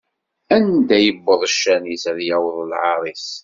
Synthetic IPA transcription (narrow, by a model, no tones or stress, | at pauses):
ænd̪æjəbːəðˤəʃːænisæðjæwəðˤəlʕɑɾˤiθ